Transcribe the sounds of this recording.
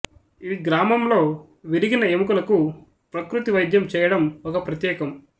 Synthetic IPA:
iːɡɾaːmɐmlo̞ː | ʋiɾiɡinɐemukulɐku | pɾɐkɾut̪iʋɐjd̪ʱjɐmt͡ʃɛːjɐɽɐmɔkɐpɾɐt̪jɛːkɐm

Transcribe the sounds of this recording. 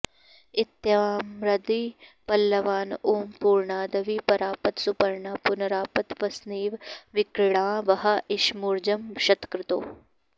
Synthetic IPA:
ɪt̪jamɾɐd̪iːpɐlːɐʋaːnuːmpuːɾɳaːd̪ɐʋiːpɐɾaːpɐt̪supɐɾɳaːpʊnɐɾaːpɐt̪ʋɐsneːʋʋɪkɽãːʋɐɦɐɪʃmuɾd͡ʒɐmʃɐt̪kɾɪt̪o̰ː

